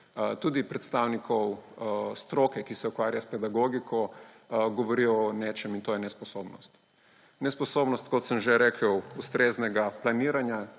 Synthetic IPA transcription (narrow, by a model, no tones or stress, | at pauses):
t̪uːd̪ipɾɛt̪st̪awnikʰɔwst̪ɾoːkɛkisɛukʋaːɾjaspɛd̪aɡoɡikʰɔ | ɡɔʋɔɾiɔneːt͡ʃɛmint̪oːjɛnɛspɔsobnɔst̪ | nɛspɔsoːbnɔst̪̚kɔt̪səmʒeɾekʰəwust̪ɾeznɛɡaplaniːɾanja